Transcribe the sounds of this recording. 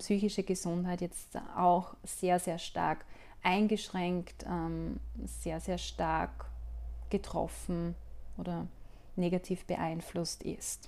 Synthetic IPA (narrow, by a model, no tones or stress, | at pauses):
psyːçɪʃəɡəzʊntɦaɪtjɛt͡stʔa̰ʊxz̥eːɐzeːɐʃta̰ɐk | ʔaɪnɡəʃʁ̥ɛŋktɛmz̥eːɐzeːɐʃtaɐkɡ̥ətʁ̥ɔ̰fn̩ʔoːɾɐ | neːɡatʰiːfb̥ə̰ʔaɪnflʊstʔɪ̰st